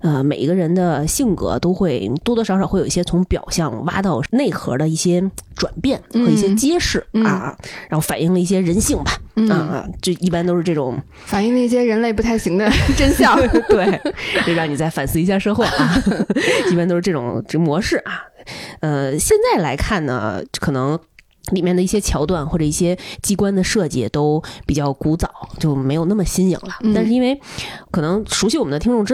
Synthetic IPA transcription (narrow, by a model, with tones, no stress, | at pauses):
ə˧me˨˩i˧˥ɡə˧ɻə˧˥nd̪ə˧ɕi˥˩ŋkɤ̰˧˥t̪o˥ʊxwe˥˩ɪt̪wɔ˥t̪ɔ˥ʂɑ˧˥ʊʂɑ˨˩ʊxe˥˩jo˨˩i˥˧˩jʲɛ˥t͡sʰʊ˧˥ŋpjɑ̰˨˩ʊɕjɑ˥˧ŋwa̰˥t̪ɑ˥˧ʊne˥˩ɪxɤ̰˧˥d̪ə˧i˥˩ɕjɛ˥ʈ͡ʂwa̰˨˩npjɛ˥˩nxɤ˧˥i˩˥˩ɕjɛ˥t͡ɕjɛ˥ʂɻ̩˥˩ɐ̰˧ɻa˧˥xo˥˩ʊfa˨˩ni˥˩ŋlə˧i˥˩ɕjɛ˥ɻə˧˥nɕi˥˩ŋbɐ˩ə˧t͡ɕo˥˩i˥˩pa˥nt̪o˥ʊʂɻ̩˧ʈ͡ʂɤ˥˩ʈ͡ʂʊ̰˨˩˦ŋ | fa˨˩ni˥˩˧ŋlə˧i˥˩ɕ̬jɛ˥ɻə˧˥nle˥˧ɪp̬u˧˩a˥˩ɪɕi˧˥ŋd̪ə˧ʈ͡ʂə˥nɕjɑ˥˩t̪we˥˩ɪt͡ɕo˥˧ɻɑ˥˩ŋni˨˩t͡sa˥˩ɪfa˨˩nsɹ̩˥˩i˧˥ɕja˥˩ʂɤ˥xwɔ˥˩ɐ˨˩ | i˥˩pnt̪o˥ʊʂɻ̩˥˧ʈ͡ʂʈ͡ʂʊ̰˨˩˦ŋʈ͡ʂmwɔ˧˥ʂɻ̩˥˩ʔɐ˩ə˧ɕjɛ˥˧nt͡sa˥˩ɪla˧˥ɪkʰa˥˩nnə̰˩kʰɤ˨˩nɤ˧˥ŋ | li˨˩mjɛ˥˩nd̪ə˩i˥˩ɕjɛ˥t͡ɕʰjɑ˧˥ʊt̪wa˥˩nxwɔ˥˩ʈ͡ʂɤ˨˩i˥˩ɕjɛ˥t͡ɕi˥kwa˥nd̪ə˨ʂɤ˥˧˩t͡ɕɛ̰˨˩˦t̪o˥ʊpi˨˩t͡ɕjɑ˥˩ʊku˧˥t͡sɑ˨˩˦ʊt͡ɕjo˥˩ʊme˧˥jna˥˩mə˩ɕi˥njḭ˨˩ŋlə˦t̪a˥˧nʂɻ̩˧i˥nwe˥˧ɪkʰɤ˨˩nɤ˧˥ŋʂu˧˥ɕi˧˥wɔ˨˩mə˦nd̪t̪ʰi˥ŋʈ͡ʂʊ˥˩ŋʈ͡ʂɻ̩˥